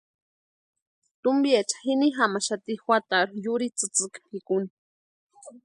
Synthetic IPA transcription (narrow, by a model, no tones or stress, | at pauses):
t̪umbiet͡ʃḁxiniɦamaʃat̪ixwat̪aɾujuɾit͡sɨt͡sɨkpʰikuni